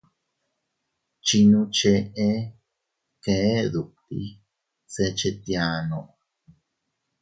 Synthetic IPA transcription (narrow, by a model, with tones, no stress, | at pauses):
t͡ʃi˧nũ˧t͡ʃe˧ʔe˦ | ke˧e˦ðu˨k̚t̪ḭ˧ | se˧t͡ʃe˧t̪ja˧nõ˧ʔ